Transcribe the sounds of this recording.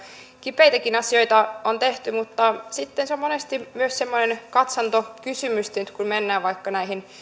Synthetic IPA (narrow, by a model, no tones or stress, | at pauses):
kipeit̪ækinɑsio̞jt̪ɑont̪eht̪ymut̪ːɑsit̪ːenseommonest̪imyøssemːonenkɑt̪sɑnt̪okysymyst̪enyt̪kunmenːæːʋʋɑikːɑnæihin